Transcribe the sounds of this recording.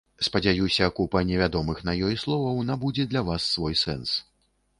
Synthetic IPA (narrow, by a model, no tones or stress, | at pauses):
spɐd͡zʲajusʲɐkupɐnʲɛvʲad̪ɔmɨxnajɔjslˠɔvɐwnabud͡zʲɛd̪lʲavasːvɔjsɛ̰ns